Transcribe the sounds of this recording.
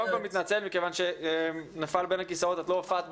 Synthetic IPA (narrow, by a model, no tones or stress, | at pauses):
mkalmit̪nat͡se̞lmikevanʃe̞nafalbenhakisaot̪at̪loafaːt̪̚b